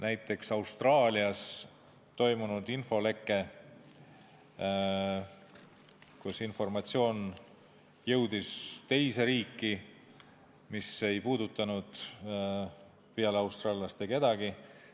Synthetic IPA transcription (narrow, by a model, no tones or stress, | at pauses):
næjt̪ːˑe̞ksɑwst̪rɑːlʲiɑs | t̪o̞jmunud̪info̞le̞kːˑe̞ | kusinfo̞rmɑt̪sio̞ːn | jɤ̞wd̪̥ist̪e̞jseɾiːkˑːi | mise̞jpuːd̪ut̪ːˑɑnud̪̥ | piɑlɑwst̪rɑːliɑst̪eke̞d̪̥ɑɡ̥i